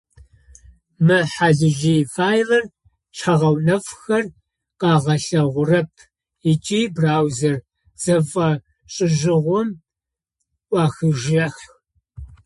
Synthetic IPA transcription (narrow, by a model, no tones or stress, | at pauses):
mɨħaɮɪʒifaːjlɐr | t͡ʃʰɐʁɐwnɐfxɐr | qɑːʁɐɬɐʁʷʊrɐp̚ʰ | ɪt͡ʃʼiːbraːwzɐr | z̥ɐfʼɐ | ɕʼɪʒɪʁʷʊm | ʔʷʼɑːxɨʒɐx